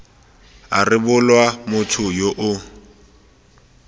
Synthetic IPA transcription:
arɪbʊlwamʊtʰʊjoʔʊ

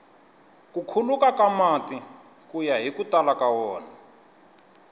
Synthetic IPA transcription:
kukʰulukakamati | kujaɦikutalakawɔːna

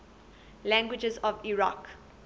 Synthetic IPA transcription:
læ̃ŋɡwɪd͡ʒəzɔviɹak

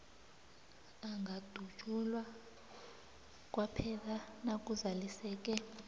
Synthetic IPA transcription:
aŋɡʱad̥ʱu̥t͡ʃʼulwa | k̬ʼwapʰɛlanakʼuzalisɛːk̬ʼɛ

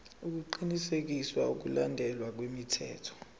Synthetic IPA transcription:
uk̬uǃinisek̬iswauk̬ulandʱɛlwak̬wemitʰɛ̰ːtʰɔ̥

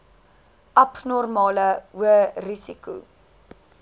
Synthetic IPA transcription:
ʔɐpnɔrmɑːləuərisikṵ

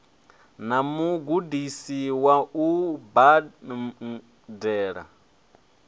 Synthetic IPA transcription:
namuɡudisiwauba | dɛːɺa̰

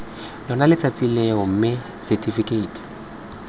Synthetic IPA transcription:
lɔnalɪt͡sʼat͡sʼilɛɔm̩mɪ | sɛtʰʼifikʼeiːtʰʼi̥

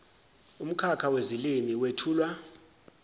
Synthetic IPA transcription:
um̩kʰakʰawezilimiwetʰuːlwa

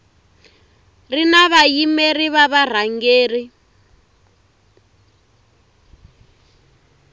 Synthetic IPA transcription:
rinaβajimeriβaβar̤aŋɡeːri

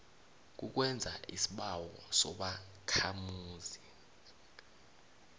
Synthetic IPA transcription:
k̬uk̬wɛnd͡zʱaʔisi̥ɓawɔsɔɓa | kʰamuːzi

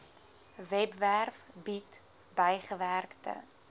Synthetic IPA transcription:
vɛpværfbit | bəjχəværktə̰

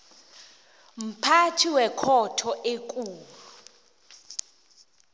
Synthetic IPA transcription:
m̩pʰatʰiwɛkʰɔtʰɔʔekʼuːllu

